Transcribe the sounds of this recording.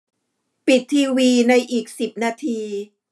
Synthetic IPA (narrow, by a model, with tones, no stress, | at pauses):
pi˨˩t̪ʰːiː˧wiː˧na˧jʔiː˨˩k̚si˨˩p̚naː˧t̪ʰiː˧